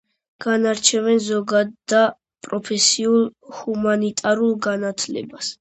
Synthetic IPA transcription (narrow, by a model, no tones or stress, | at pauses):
ɡ̥anaɾt͡ʃʰɛvɛnzɔɡad̪d̪a | pʼɾɔpʰɛsiulˠhumanit̪ʼaɾulˠɡanat̪ʰlɛ̰bas